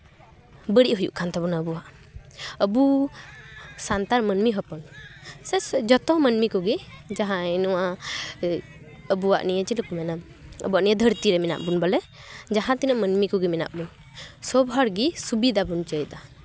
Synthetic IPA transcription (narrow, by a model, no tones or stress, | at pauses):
bəɽiʔɦujṵʔkʰant̪ʰabɔnaəbuwaʔ | əbu | sant̪aɾmənmiɦɔpɔnsɛsd͡ʒɔt̪ɔmənmikɔɡid͡ʒaɦãɛnɔwa | əbuwa̰ʔnijət͡ʃiləkɔmɛna | ə̰buaʔnijəd̪ʱəɾt̪iɾɛmɛna̰ʔbunbɔlɛ | d͡ʒaɦãt̪inəʔmənmikɔɡimɛna̰ʔbun | sɔbɦɔɾɡisubid̪abunt͡ʃəjd̪a